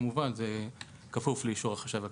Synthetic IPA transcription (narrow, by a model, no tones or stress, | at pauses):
muvanze | kafufleiʃuʁaχaʃava